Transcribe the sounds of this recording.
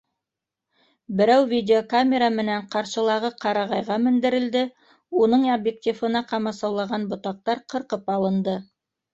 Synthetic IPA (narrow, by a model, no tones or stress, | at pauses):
bɘ̆ɾæwvʲidʲeokamʲeɾamɘ̆næɴqɑɾʃɤ̆lˠɑʁɤqɑɾɑʁɑjʁɑmɘ̆nd̪ɘ̆ɾɘ̆ld̪ɘ | unɤɴɐbjek̚tʲifɤ̆nɑqɑmɑsɑwlˠɑʁɑnbŏt̪ɑq̚t̪ɑɾqɤ̆ɾqɤpɑlˠɤ̆nd̪ɤ